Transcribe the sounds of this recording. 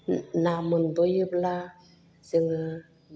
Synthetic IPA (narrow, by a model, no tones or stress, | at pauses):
namənbojəbla | səŋ